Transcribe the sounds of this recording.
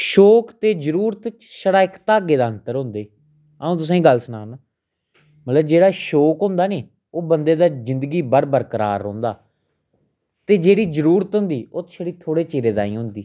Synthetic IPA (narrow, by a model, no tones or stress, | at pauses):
ʃoːkt̪eːzəɾuːɾət̪ | ʃəɽaːɪkt̪aːɡeːd̪aːənt̪əɾɦʊ̃ːnd̪eː | əũːt̪ʊs̬ãiːɡəlsʊnaːnaː | mət̪ləbd͡ʒeːɽaːʃoːkɦʊ̃nd̪aːneː | oːbənd̪eːd̪aːzɪnd̪ɡiːbəɾbəɾkəɾa̰ːɾːõːnd̪a̰ː | t̪eːd͡ʒeːɽiːzəɾuːɾət̪ɦʊ̃nd̪iːoːt̪ʃəɽiːt̪ʰoːɽeːt͡ʃeːɾeːd̪a̰ːĩːɦʊ̃nd̪iː